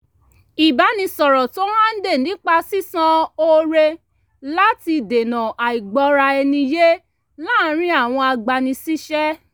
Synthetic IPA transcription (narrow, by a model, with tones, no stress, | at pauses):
i˨ba˨˦nĩ˧sɔ˨ɾɔ˨to˦mã˦n̩˦de˦˨n˨ĩ˦k͡pa˧si˦sã˦o˧ɾe˧ | la˦ti˧de˨nã˨a˨i˨ɡ͡bɔ˧ɾa˧ɛ˧nĩ˧je˦ | laː˦˨˦ɾ̃ĩ˦a˦˨w̃ɔ̃˧a˧ɡ͡ba˧nĩ˧si˦ʃɛ˦